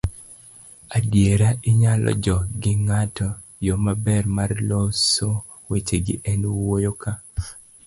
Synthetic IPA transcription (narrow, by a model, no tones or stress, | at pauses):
adjeɾaʔiɲalɔ̰d͡ʒɔɡɪŋatɔ | jomabɛrmarloso | wet͡ʃeɡɪ̰ʔɛnwojoka